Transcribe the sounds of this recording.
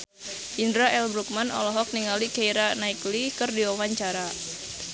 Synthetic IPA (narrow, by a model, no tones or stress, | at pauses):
ʔindɾaʔɛlbɾuk̚manɔ̰lɔɦɔk̚niŋalikaiɾanaiklikɨrdiwawaɲt͡ʃaɾa